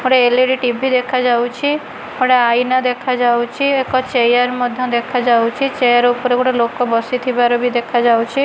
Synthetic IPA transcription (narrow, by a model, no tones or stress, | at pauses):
oɽeeleɽiʈibʱid̪ekʰad͡ʒawt͡ʃʰi | oɽaajnad̪ekʰad͡ʒawt͡ʃʰiekɔt͡ʃejaɾmɔd̪ʱjɔ̃d̪ekʰad͡ʒawt͡ʃʰit͡ʃejaɾupɔɾekoɽɔlokɔbɔsit̪ʰibaɾɔbid̪ekʰad͡ʒawt͡ʃʰi